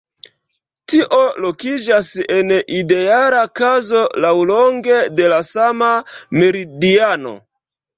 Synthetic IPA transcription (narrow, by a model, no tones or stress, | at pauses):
tiʔo̞lokid͡ʒasenide̞alakazo̞lawloŋɡe̞de̞lasamame̞ɾidiano̞̰